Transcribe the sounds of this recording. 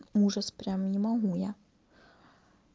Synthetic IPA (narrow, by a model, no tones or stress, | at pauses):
uʐɐspɾʲamnʲimɐɦujɛ